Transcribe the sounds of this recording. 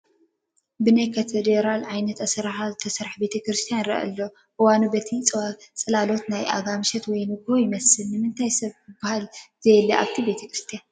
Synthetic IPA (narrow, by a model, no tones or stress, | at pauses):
bɨnajkʰɐt̪ʰed̪eɾalʕajnɐt̪ɐsɾħazɨt̪ʰɐsɐɾħbe̞t̪ʰɐkɾɨst̪ʰijanɾɐ̰ʔɐ̰lːo | ʔɨwanubɐt̪ʰit͡sʼt͡sʼɐlalo̞t̪najʔa̰ɡamɨʃɐt̪wɔjnɨɡhojɪmɐsɨlnɨmɨnt̪ʰajsɐβɨbːahalzɐjɛliʔa̰βt̪ʰibe̞t̪ʰɐkɾɨst̪ʰijan